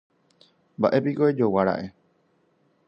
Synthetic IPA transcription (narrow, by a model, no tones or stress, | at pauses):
mbaʔe̞pikoed͡ʒowaɾa̰ʔe̞